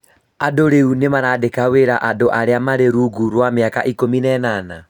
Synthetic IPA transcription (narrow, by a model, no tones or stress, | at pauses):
adoɾeunemaɾadekaweɾaʔadoʔaɾeamaɾeɾuɡuɾwameaka̰ʔikominɛnana